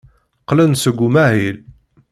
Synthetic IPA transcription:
qlænsəɡʷːumæhil

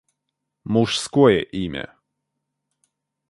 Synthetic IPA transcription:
muʃskujɛʔimʲɛ̰

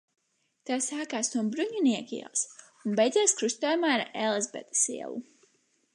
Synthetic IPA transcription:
t̪aːsaːkaːsnuɔbɾuɲuniɛkʲḭja̰ːs | unbɛjd̪zaːskɾust̪aːjmaːɾɛlˠzbɛ̰t̪ḁsḭɛ̰lˠṵ

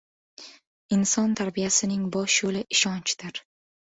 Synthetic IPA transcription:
ɪnsɒnt̪ʰaɾbijasɪnɪŋbɒʃjolɪʔɪʃɒnt͡ʃʰd̪̥ɪɾ

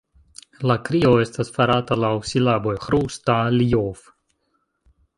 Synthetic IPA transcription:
lakɾioest̪asfaɾat̪alawsʲilabojxɾust̪alʲjof

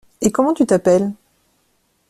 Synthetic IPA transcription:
ekɔmɑ̃t̪yt̪apɛl

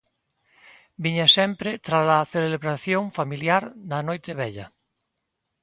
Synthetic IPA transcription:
biɲasɛmpɾet̪ɾazlaθeleleβɾaθjoɱfamiljaɾðanojt̪eβɛʎa̰

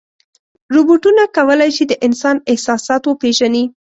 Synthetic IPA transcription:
ɾʊbuʈunakawəlajʃid̪əʔɪnsɑnɪhsɑsɑt̪opeʒani

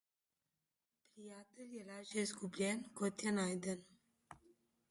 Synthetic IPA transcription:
pɾiat̪əljelaʒeskublienkot̪janajd̪ən

